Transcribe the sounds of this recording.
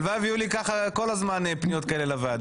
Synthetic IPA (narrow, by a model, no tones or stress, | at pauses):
vavijulikaχako̞lazmanpnijot̪̚kaelelavad̪